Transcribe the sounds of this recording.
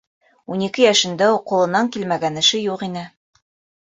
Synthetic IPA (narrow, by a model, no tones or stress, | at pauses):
unikɘjæʃɘ̆nd̪æuqːŏlˠɤ̆nɑŋkilmæɡænɘ̆ʃɘjuqinɘ